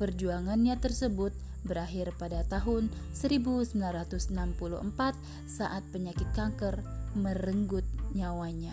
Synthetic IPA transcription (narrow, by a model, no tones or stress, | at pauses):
pərd͡ʒuaŋanɲat̪ərsəbʊt̪̚ | bəɾaɦɪrpadat̪aɦʊn | səɾibusəmbilanɾat̪ʊsnampulṵhə̰mpat̪̚ | saʔat̪̚pəɲakɪt̪̚kaŋkərməɾəŋɡʊt̪̚ɲawaɲa